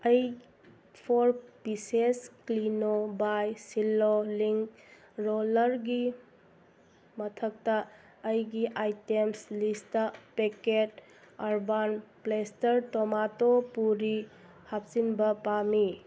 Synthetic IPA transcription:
ɐj | pʰoɾpisesklinobajsiloliŋk | ɾolɐɾɡi | mɐtʰɐk̚tɐː | jɡiʔajtemslistɐpeket | aɾbanplestɐɾtɔmatopuɾi | hap̚sinbɐpami

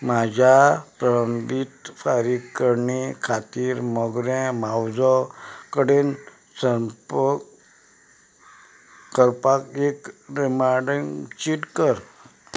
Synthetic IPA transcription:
mad͡ʑʱapɾəɾəmbit̪faɾiɡkːəɾɳikʰat̪iːɾmɔɡɾɛ̃mawd͡zɔkəɽen | səp | kəɾpakekɾimaɾɖəŋt͡ɕiʈkəɾ

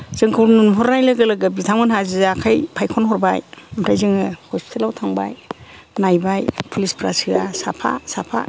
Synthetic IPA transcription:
z̥ɯŋkʰɯwɾnunɦɔɾnajlɯɡɯlɯɡɯbitʰamɯnɦazizaakʰajpʰajkʰɔnɦɔɾbajmɾʰajzɯŋɯhʰɔjstʰelawtʰaŋba̰j | najbajpʰulispʰɾa̰sɯasapʰa̰sapʰa̰

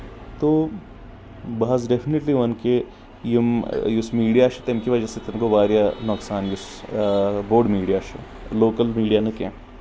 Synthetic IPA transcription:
t̪o | bɐɐzɖefʰineʈliʋɐnke | jimjusmiːɽijaʃɐ̥t̪ɐmkiʋɐd͡ʒaset̪ɐmkoʋaːɾjanɔːksaːnjus | boːɖmiːɖijaʃɐ̰ | loːkəlmiːɖijanɐkḛ̃

